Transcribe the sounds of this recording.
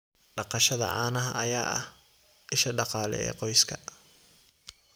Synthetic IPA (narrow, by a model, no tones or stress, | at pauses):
ɖɑqɑʃɐðɐ̰ʕɑ̰ːnɐɦɐɐjaːʔɐ̰h | ʔɪʃɐɖɑqɑːlɛ̰ɛ̰ːqɔjskʰɐ